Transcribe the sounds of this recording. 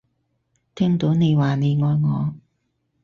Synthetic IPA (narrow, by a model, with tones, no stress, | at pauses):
t̪ʰɛː˥ŋt̪o˨˥wne˨˧jwaː˨˩ne˨˧jŋɔː˨˧jŋɔː˨˧˦